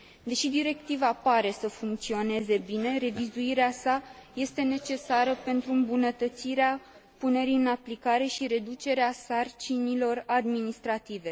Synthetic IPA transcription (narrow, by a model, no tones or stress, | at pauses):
d̪e̞ʃid̪iɾe̞kt̪ivapaɾe̞səfuŋk̚t̪sio̞ne̞ze̞bine̞ɾe̞vizuiɾeasaje̞st̪e̞ne̞t͡ʃe̞saɾəpe̞nt̪ɾuɨmbunət̪ət̪siɾea | pune̞ɾijɨnaplikaɾe̞ʃiɾe̞d̪ut͡ʃe̞ɾeasart͡ʃinilo̞rad̪minist̪ɾat̪ive̞